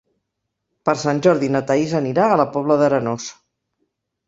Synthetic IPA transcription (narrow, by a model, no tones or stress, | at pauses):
pəɾsanʲʒɔɾðinət̪əizəniɾaːləpɔβləðəɾənos